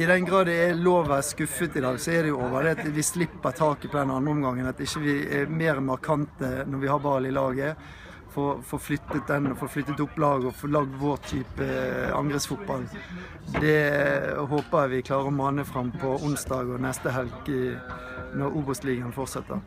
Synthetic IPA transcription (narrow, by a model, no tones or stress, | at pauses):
ɪd̪ɛnɡɾɑːd̪ɛɛloːʋʋæskʉfːət̪ɪd̪ɑːɡsɔɛd̪ɛjʊoːʋəɾd̪ɛɑt̪ʋɪslɪpːəɾt̪ʰɑːkəpʰɔd̪ɛnɑnʁəɔmɡɑŋːənɑt̪ɪçːəʋɪɛmeːɾmɑɾkʰɑnt̪ənɔɾʋɪhɑːɾbɑːlɪlɑːɡə | fɔːɾfoːɾflʏt̪ːət̪̚d̪ɛnɔfoːflʏt̪ːət̪ʊpːlɑːɡəɔfɔlɑɡ̚d̪ʋɔʁt̪ʰːyːpəɑ̰ŋɡʁəsfʊt̪̚bɑl | d̪ɛ | ɦoːpəjæʋɪkʰlɑːɾəɔmɑːnəfɾɑmpʰɔʊnsd̪ɑːɡɔnɛst̪əɦɛlk | nɔɾuːbəst̪liːɡɑnəfɔʁt̪sɛt̪ːə̰ʁ